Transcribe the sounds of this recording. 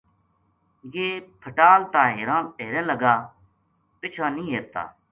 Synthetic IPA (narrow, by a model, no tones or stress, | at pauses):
jeːpʰəʈaːlt̪ãːɦeːɾãːeːɾẽːləɡaː | pɪt͡ʃʰaːnĩːɦeːɾt̪a̰ː